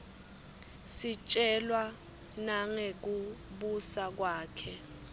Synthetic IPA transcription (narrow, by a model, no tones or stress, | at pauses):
sit͡ʃʼɛlwa | naŋek̬uɓusak̬waːkʰɛ